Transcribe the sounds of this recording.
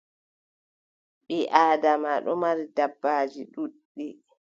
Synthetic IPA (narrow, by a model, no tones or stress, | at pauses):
ɓiʔaːdamaɗɔmaɾidabːaːd͡ʒiɗuɗːi